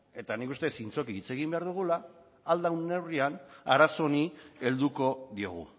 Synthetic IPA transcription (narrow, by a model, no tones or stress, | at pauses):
e̞t̪anikust̪e̞sint͡so̞kiːt͡se̞ɣimbe̞aɾðuɣ̞ulaː | ld̪awnːe̞wrianaɾaso̞nie̞ld̪uko̞ðio̞̰ɣ̞ṵ